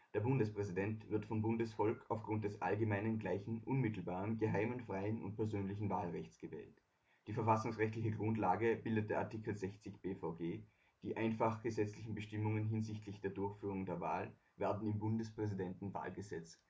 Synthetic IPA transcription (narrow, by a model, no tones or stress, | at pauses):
d̥eːɐbʊndəspʁ̥ɛzidɛntv̥ɪɐtfɔmbʊndəsfɔlkaʊfɡ̥ʁʊnt̚d̥ɛsʔa̰lɡəmaɪnənɡlaɪçn̩ʔʊnmɪtl̩baːʁənɡəɦaɪmənfʁ̥aɪənʊ̰nt̚pʰɛɐzøːnlɪçn̩vaːlʁɛçt͡sɡ̥əvɛ̰ːlt | d̥iːfɛɐfasʊŋsʁɛçtlɪçəɡʁʊntlaːɡəb̥ɪldət̚deːɐʔaɐtikl̩zɛçt͡sɪçb̥eːfɔʊɡeː | d̥iːʔaɪnfaχɡ̥əzɛt͡slɪçn̩bəʃtɪmʊŋənɦɪnzɪçtʰlɪçd̥eːɐdʊɐçfyːʁ̞ʊŋdeːɐva̰ːl | vɛːɐdn̩ɪmbʊndəspʁ̥ɛzidɛntn̩va̰ːlɡəzɛt͡s